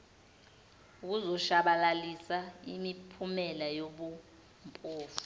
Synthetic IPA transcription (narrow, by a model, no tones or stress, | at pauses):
uk̬uzɔʃaɓalalisaimipʰumɛlajoɓu | mpʼuːfu̥